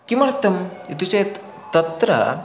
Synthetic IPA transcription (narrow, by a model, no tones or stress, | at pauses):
kimɐɾɐt̪ːɐmit̪use | t̪ɐt̪ɾɐ̰